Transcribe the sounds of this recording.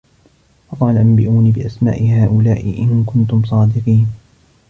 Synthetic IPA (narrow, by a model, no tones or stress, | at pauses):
fɑqɑːlaʔambɪʔuːniːbɪʔasma̰ːʔɪhaːʔʊlaːʔɪ̰ʔɪnkʊnt̪ʊmsˤɑːd̪ɪqiːn